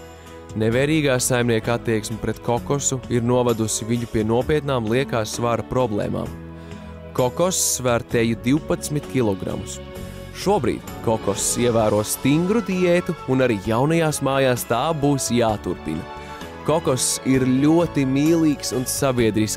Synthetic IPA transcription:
nevɛːɾiːɡaːsajmniɛkat̪ːiɛksmʲɐpɾet̪kɔkɔsuiɾnuɔvad̪usiviɲupʲiɛnuɔpiɛt̪naːmlˠiɛkaːsvaɾɐpɾɔblˠɛ̰ːma̰ːm | kɔkɔsːvæɾt̪ɛjud̪iwpat̪smʲit̪kʲilˠɔɡɾa̰mus | ʃuɔbɾḭːd̪̥ʲkɔkɔsiɛvæːɾuɔst̪iŋɡɾud̪iɛt̪uːnaɾiːjawnɐjaːsmaːjaːst̪aːbuːsjaːt̪uɾpḭnɐ | kɔkɔsiɾlʲuɔt̪imiːlˠiːksunsabiɛd̪ɾis

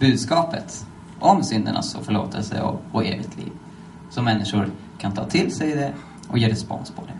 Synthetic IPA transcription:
b̥ʉ̟ːd̪skɑːpət̪ | ʔɔmsʏnd̪əɳa̰sɔ̰fœɭoːt̪ʰəlsə̰ɔɔeːvɪt̪ʰlḭːv | sɔmːɛnːɪʂʊɾ | kʰant̪ʰɑːt̪ʰɪlsɛjd̪ɛ | ʔɔjeːɾɛspɔ̰nspʰɔd̪ɛ

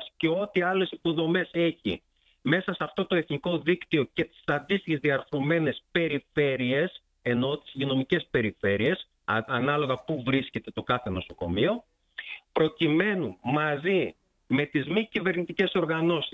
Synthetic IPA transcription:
sce̞o̞t̪iɐle̞sipo̞ðo̞me̞se̞çḭ | me̞sɐsɐft̪o̞t̪o̞eθniko̞ðikt̪io̞ce̞t̪i̥sɐnd̪ist̪içe̞zðiɐɾθɾome̞ne̞spe̞ɾife̞ɾie̞s | e̞no̞t̪i̥zʝino̞mice̞spe̞ɾife̞ɾie̞s | ɐnɐlo̞ɣɐpuvɾisce̞t̪e̞t̪o̞kɐθe̞no̞so̞ko̞̰mio̞ | pɾo̞cime̞nunmɐzi | me̞t̪izmicive̞ɾnit̪ice̞so̞ɾɣɐno̞si

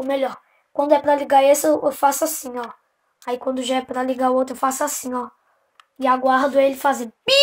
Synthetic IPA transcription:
ʊmeʎɔɾ | kwɐ̃nd̪ʊɛpɾɐliɡaesɪewʔewfasʊasĩɔ | aikwɐ̃nd̪ʊʒaɛpɾɐliɡaʊowt̪ɾʊewfasʊasĩɔ | ɪaɡwaɾd̪ʊelɪfazẽbi

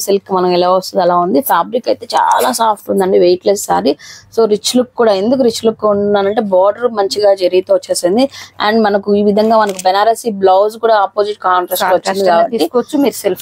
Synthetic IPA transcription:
selkːmɐnɐmɛlaːʋɐst̪unɛlaːund̪ipʰaːbɾikɐjt̪e̞ːt͡ʃa̰ːlaːsaːpʰʈund̪ɐɳɖiʋejklessa̰ːɾiso̞ːɾit͡ʃːlukkːuːɽaːe̞nd̪uk̬uɾit͡ʃːlukːuuɳnaːɾɐɳʈeːbɔːɾɖɐɾmɐɲt͡ʃiɡaːd͡ʒɐɾiɡit̪uʋɐt͡ʃːeːsind̪iɐ̰ːɳɖmɐnɐkuiːʋid̪ʱɐŋɡaːmɐnɐk̬ubɛnaːɾɐsiblowskuːɽaːɐpːoːd͡ʒiʈ̚kaːɳʈɾɐsːʋɐt͡ʃːnd̪ikaːbɐt̪iːikɔʋɐt͡ʃːulp

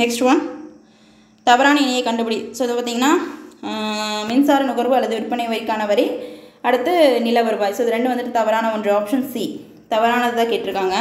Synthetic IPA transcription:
nɛksʈʋɐn | t̪ɐʋɐɾaːnɐɪnɐjɐkːɐɳɖɯpɐɽisoːɐðɯpaːɾt̪iːŋɡɐnːaː | mɪnsaːɾɐnʊɣɐɾʋɯɐlːɐðɯʊɾpːɐnɐɪʋɐɾɪkːaːnɐʋɐɾɛɪɐɽɯt̪ːɯnɪlɐʋɐɾɯʋaːjsoːɪðɯɾɛɳɖɯʋɐnd̪ɯʈːɯt̪ɐʋɐɾaːnɐɔndrɐaːpʂɐni | t̪ɐʋɐɾaːnɐðɯt̪ãːkeːʈːɪɾɯkːaːŋɡɐ

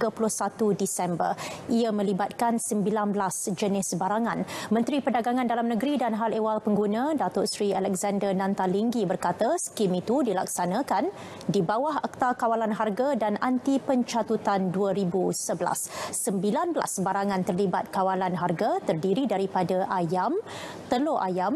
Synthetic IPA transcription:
ɡapulʊhsat̪udisɛmbə̰riamə̃libat̪̚kansəmbilanblasd͡ʒənɪsbaɾaŋãnmə̃nt̪ɾipədaɡaŋãndalamnəɡɾidanɦalewalpəŋɡunãdat̪ʊʔsɾialɛk̚zandərnãnt̪aliŋɡibərkat̪asə̥kimit̪udila̰k̚sanãkan | dibawaɦak̚t̪akawalanɦarɡadanʔant̪ipəɲt͡ʃat̪ut̪anduəɾibusəbəla̰sːəmbilanbla̰səbaɾaŋant̪ərlibat̪̚kawalanɦarɡat̪ərdiɾidaɾipadaʔajam | t̪əloʔajam

